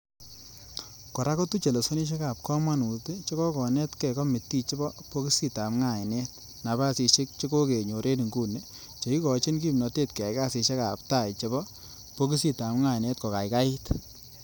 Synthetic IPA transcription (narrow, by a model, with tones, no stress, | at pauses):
kɔ˨ɾa˦ko˦tu˦t͡ʃe˨le˨so˦ni˦ʃ̬e˦ka˨p̚kɔ˦ma˦nu˨te˦t͡ʃɔ˦kɔ˦kɔ˨nɛ˦tkɛ˨kɔ˦mɪ˨tːi˦t͡ʃɔ˦bɔ˦po˦ki˦si˦ta˨mŋa˨ɪ˨nɛ˦t | na˨ba˦si˧ʃɪ˦k̚t͡ʃɪ˦ko˦ke˨ɲo˨ɾe˦ni˨ŋɡu˦ne˦ | t͡ʃe˨i˦kɔ˨t͡ʃi˦nk̬i˦mnɔ˨te˦tke˨a˨jka˦sɪ˧ʃe˦ka˨p̚ta˦˨jt͡ʃɔ˦bɔ˦ | po˦ki˦si˦ta˨mŋa˦˨ɪ˨ne˦tkɔ˨ka˨jka˦ɪ˦t